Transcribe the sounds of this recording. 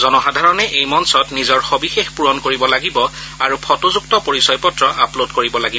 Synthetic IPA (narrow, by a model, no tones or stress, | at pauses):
zɔnɔxadʱaɹɔnɛʔejmɔnsɔtnizɔɹxobixexpuɹɔnkoɹibɔlaɡibɔaɹupʰɔtozuktɔpoɹisɔjpɔtɹɔʔaplodkoɹibɔlaɡibɔ